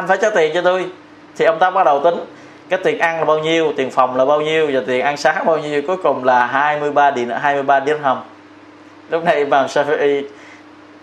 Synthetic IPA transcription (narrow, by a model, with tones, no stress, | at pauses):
ʔa˧nfaː˧˦jt͡ɕaː˨˦˥t̪i˨˩ənt͡ɕɔ˧t̪u˧j | t̪ʰi˨˩ʔə˧wŋ͡mt̪aː˦˥k͡p̚ɓa˦˥ɗə˨˩wt̪ï˨˦ŋ̟ | kaː˨˦jt̪i˨˩ənʔa˧nlaː˨˩ɓaː˧wɲi˧əwt̪i˨˩ənfa˨˩wŋ͡mlaː˨˩ɓaː˧wɲi˧əwvaː˨˩t̪i˨˩ənʔa˧nsaː˨˦ŋɓaː˧wɲi˧əwku˨˦əjkʊ˨˩ŋ͡mlaː˨˩ɦaː˧jmɨ˧əjɓaː˧ɗi˧˩nɦaː˧jmɨ˧əjɓaː˧ɗi˨˧˦ə˦t̚hə˧m | lʊ˦˥k͡p̚na˧jɓaː˨˩ŋsɛ˧fi˧ʔi˧